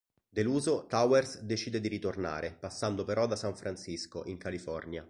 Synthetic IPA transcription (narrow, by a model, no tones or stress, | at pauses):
d̪eluːzot̪awɛrsd̪et͡ʃiːd̪ed̪iɾit̪orna̰ːɾʔepasːand̪opeɾɔd̪asaɱfɾansiskoʔiŋkalifɔrnja